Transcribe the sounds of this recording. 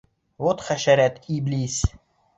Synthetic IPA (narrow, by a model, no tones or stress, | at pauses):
vot̪χæʃæɾæt̪iblis